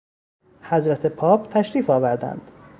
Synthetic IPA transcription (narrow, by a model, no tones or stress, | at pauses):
hæzɾæt̪ʰepʰɒːpʰt̪ʰæʃɾiːfɒːvæɾd̪æ̰nd̪̥